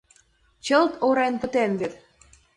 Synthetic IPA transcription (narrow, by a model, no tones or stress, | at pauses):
t͡ɕə̆lt̪oɾenpə̆t̪envet̪